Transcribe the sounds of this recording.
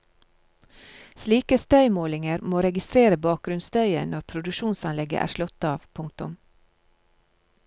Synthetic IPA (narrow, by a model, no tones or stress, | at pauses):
sliːkəst̪œʏmoːlɪŋəɾmoːɾɛɡɪst̪ɾeːɾəbɑːk̚ɡɾʉnst̪œʏə̰nɔɾpʰɾʊd̪ʉʃuːnsɑnlɛɡə̰ʔæ̰ːʃlɔt̪ɑːʋpʰʊŋk̚t̪ʊm